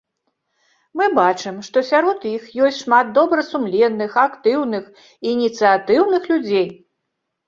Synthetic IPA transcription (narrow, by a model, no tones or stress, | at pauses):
mɨbat͡ʂɨmʂt̪ɔsʲaɾɔt̪ixjɔsʲʂmad̪̚d̪ɔbɾɐsumlʲɛnːɨxakt̪ɨwnɨx | inʲit̪sɨat̪ɨwnɨxlʲud͡zʲej